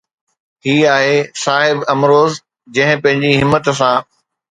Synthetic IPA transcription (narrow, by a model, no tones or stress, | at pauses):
hiːaːɦesaːɦɪbɐmɾoːz | d͡ʑɐ̃ɦɪ̃pɐ̃ɦɪ̃ɲd͡ʑiɦɪmːət̪s̬ãː